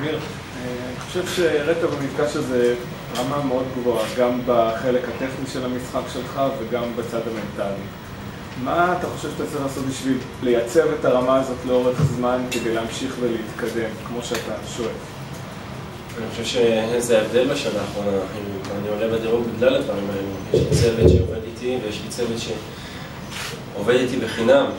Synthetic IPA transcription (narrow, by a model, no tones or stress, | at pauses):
miʁ | aniχo̞̥ʃevʃeʁetabamifɡaʃeze̞ | ʁamame̞o̞dɡvo̞aɡambaχe̞le̞khate̞χniʃe̞lamisχakʃe̞lχaveɡambat͡sadame̞ntali | maːt̪aχo̞ʃevʃatatt͡saʁiχlaso̞t̪̚biʃvil | le̞jat͡se̞vetaʁamaːzo̞t̪leo̞ʁe̞χzmanke̞d̪ejleamʃiχveleit̪kade̞mkmo̞ʃeataʃo̞ef | aniχoʃevʃezeaevd̪e̞lbeʃanaːχʁo̞naaχnianiolebad̪iʁutbiɡlalad̪vaʁimaelujeʃlit͡se̞vet̪ʃeove̞d̪it̪ivejeʃlit͡sevet̪ʃe̞ | ove̞d̪it̪ibeχinam